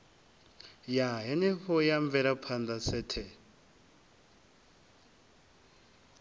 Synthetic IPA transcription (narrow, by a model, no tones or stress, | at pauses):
jaɦɛnɛɸɔjaɱvɛɾapʰand̪asɛtʰɛ